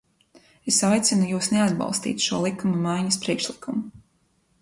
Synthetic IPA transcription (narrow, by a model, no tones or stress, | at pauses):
esajt̪sinujuːsnead̪bɑ̰lˠst̪ḭːt̪ʃuɔlˠikːamamajɲɐspɾiɛkʃlˠikʰumu